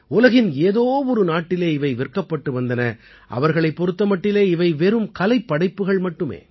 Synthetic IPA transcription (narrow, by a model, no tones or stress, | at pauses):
ʊlɐɣɪneːðoːʋɔɾɯnaːʈːɪleːɪʋɐɪʋɪrkɐpːɐʈːɯʋɐnd̪ɐnɐ | ʔɐ̰ʋɐɾɣɐɭɐɪpːɔɾɯt̪ːɐmɐʈːɪleːɪʋɐɪʋɛɾɯmkɐlɐɪpːɐɽɐɪpːɯɣɐɭmɐʈːɯmḛː